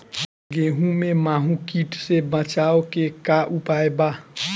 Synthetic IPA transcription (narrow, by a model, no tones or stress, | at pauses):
ɡeɦũmemaɦũkiʈsebə̃t͡ʃaokekaʔupaeba